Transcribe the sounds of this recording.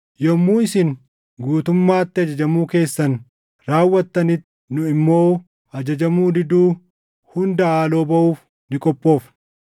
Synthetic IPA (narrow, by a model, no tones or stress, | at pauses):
jɔmːuːɪsɪn | ɡuːt̪ʊmːaːt̪ːɪɐd͡ʒɐd͡ʒɐmuːke̞ːsːɐn | ɾaːwːɐt̪ːɐnɪt̪ː | nʊɪmːo̞ː | ɐd͡ʒɐd͡ʒɐmuːd̪ɪd̪uː | hʊnd̪ɐaːlo̞ːbɐʔuːf | nɪkʼɔpʼːo̞ːf